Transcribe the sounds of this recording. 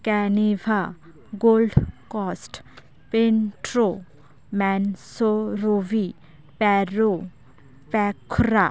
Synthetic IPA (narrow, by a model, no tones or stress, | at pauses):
kɛniʋʱa | ɡoːlɖkɔsʈ | peɳʈɾo | mɛnsoɾoʋi | pɛɾo | pɛkʰɾa